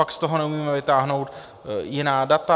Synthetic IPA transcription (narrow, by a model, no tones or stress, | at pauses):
akst̪oɦonɛumiːmɛvɪt̪aːɦno̞wt̪ | jɪnaːdat̪a